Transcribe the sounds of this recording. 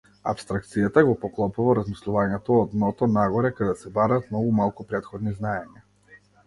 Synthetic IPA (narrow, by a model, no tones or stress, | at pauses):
a̰pst̪ɾak̚t̪sijat̪aɡɔpɔklˠɔpuvaɾazmislˠuvaɲɛt̪ɔːd̪nɔt̪ɔnaɡɔɾɛkad̪ɛsɛbaɾaːt̪mnɔɡumalˠkupɾɛt̪xɔd̪niznaɛɲa